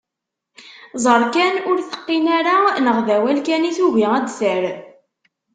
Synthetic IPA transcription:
zˤəɾˤkænʊɾθə̥qːinaɾanəʁðæwælkæniθuʝiʁæd̪θəɾ

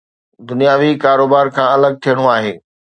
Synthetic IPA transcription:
d̪ʊnijaːʋikaːɾoːbaːɾkʰãːɐləɡ̚t̪ʰijəɽ̃oaːɦeː

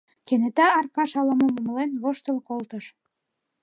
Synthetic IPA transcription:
kenet̪ɑːrkɑʃɑlɑmomoməlenβoʃt̪ə̆lkolt̪əʃ

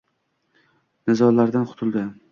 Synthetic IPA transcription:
nɪzɒlaɾd̪anqʰʊ̥t̪ʰʊlˠd̪ɪ

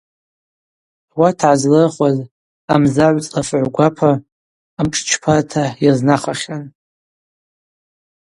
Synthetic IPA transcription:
watʰʕazlɨχʷaz | amzaʕʷt͡sʼafʕʷɡʷapʰaː | mʈ͡ʂʼt͡ʃʰpʰatʰajaznaχaχʲan

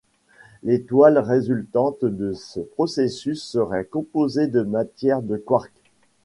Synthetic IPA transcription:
let̪walʁezylt̪ɑ̃t̪d̪əsəpχɔsesysːəʁɛkɔ̃pozed̪əmat̪jɛʁd̪əkwaʁk

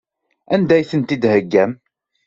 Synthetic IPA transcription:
ænd̪æjθənt̪id̪həɡːæm

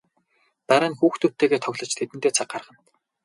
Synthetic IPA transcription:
pæɾʲə̆nxuːxt̪ut̪eːɣeːt̪ʰɔɣʲɮɞ̆t͡ɕt̪ʰet̪ɘnt̪eːt͡sʰaq̚ɢarʁə̆n

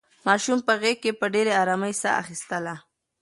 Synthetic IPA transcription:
mɑʃumpəɣekːepəɖeɾeaɾɑməjsa̰ʔa̰xist̪əla

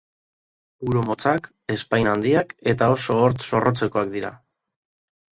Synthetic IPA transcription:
uɾomo̞t͡sak | e̞spajnand̪iake̞t̪ao̞so̞ːɾt̪so̞rʔo̞t͡se̞ko̞ak̚d̪iɾa̰

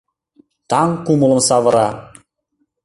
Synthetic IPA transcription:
t̪ɑŋkumə̆lˠɤ̆nsɑvɤ̆ɾɑ

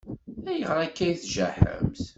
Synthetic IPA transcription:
æjəʁɾˤækːæjiθʒæ̰ħə̰mθ

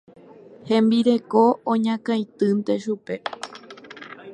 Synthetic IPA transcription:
hẽ̞mbiɾe̞ko̞õɲãkãjt̪ɨnt̪e̞ʃupe̞

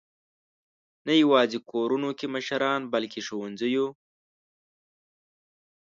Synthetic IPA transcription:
najawɑːzikʰoːɾunokeməʃaɾɑːnbalkʰeʂowanzəju

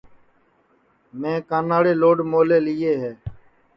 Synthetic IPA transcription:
mẽːkaːnaːɽeːloːɖmoːleːliːeːɦeː

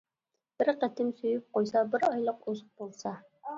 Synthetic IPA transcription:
b̥ɪɾqæt̪ʰɪmsyjyp̚qojsɑbɪɾɑjlˠəqozq̚bolˠsɑ

